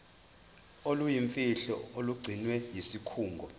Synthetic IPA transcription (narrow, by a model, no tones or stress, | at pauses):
olujiɱfiɬɔoluɡ͡ǀʱinwɛjisikʰuːŋɡʱɔ